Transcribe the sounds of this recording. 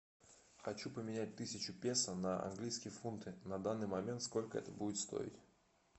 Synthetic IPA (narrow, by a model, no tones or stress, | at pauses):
xɐt͡ɕupəmʲɪnʲæt̚ʲt̪ɨsʲɪt͡ɕʊpʲe̞sənəʔɐ̰nɡlʲijskʲɪjəfunt̪ɨnɐd̪anːɨjmɐmʲe̞nt̪sko̞lʲkəɛ̰t̪əbudʲɪt̪st̪o̰ɪ̰tʲ